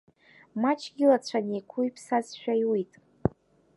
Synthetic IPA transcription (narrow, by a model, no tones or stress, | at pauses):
mat͡ʃʰɡʲɪlat͡ɕʷʰanekʷʰuipʰsazʃᶣajwitʼ